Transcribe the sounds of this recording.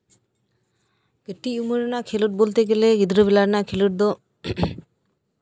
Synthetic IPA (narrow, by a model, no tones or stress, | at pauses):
ɡəʈːiuməɾnakʰeluʈ̚bolt̪eɡeleɡid̪ɾəbilaɾnakʰeluʈ̚d̪o